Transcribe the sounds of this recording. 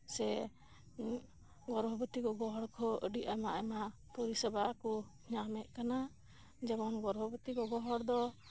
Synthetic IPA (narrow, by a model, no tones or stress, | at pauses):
sɛ | ɡɔɾbʱɔbət̪ikɔɡɔɦɔɽkʰɔəɖiʔamaʔamapɔɾisɛbaku | ɲamɛʔ̚kana | d͡ʒɛbɔnɡɔɾbʱɔbət̪ikɔɡɔɦɔɽd̪ɔ